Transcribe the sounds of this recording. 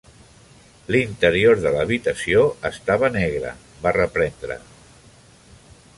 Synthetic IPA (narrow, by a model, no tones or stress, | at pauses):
lint̪əɾioɾðələβ̞it̪əsioəst̪aβ̞ənɛɣɾə̰ | barəpɾɛnd̪ɾə̰